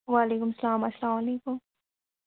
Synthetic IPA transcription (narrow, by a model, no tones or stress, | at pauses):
ʋaːleːkʊmsɐlaːmɐslaːmɐleːkʊm